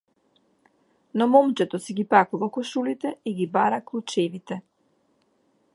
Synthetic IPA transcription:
nɔmɔmt͡ʃɛt̪ɔsiɡipakuvakɔʃulit̪ɛiɡibaɾaklˠut͡ʃɛvit̪ɛ

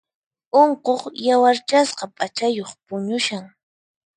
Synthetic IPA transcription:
oɴqoχjawaɾt͡ʃasqɑpʼat͡ʃajoχpʊɲʊʃaŋ

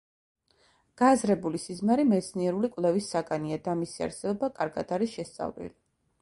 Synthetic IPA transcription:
ɡ̥azɾɛbulisizmaɾimɛt̪sʰniɛɾulikʼvlˠɛvisːaɡʼaniad̪amisia̰ɾsɛbɔbakʼaɾɡa̰d̪aɾisʃɛst̪sʼa̰vlḭli

